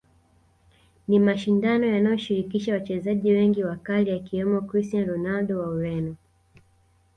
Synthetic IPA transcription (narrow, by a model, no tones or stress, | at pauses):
nimaʃindanɔjanajɔʃiɾikiʃawat͡ʃɛzaʄiwɛŋɡiwakalijakiwɛmɔkɾistianɾɔnalɗɔwauɾɛnɔ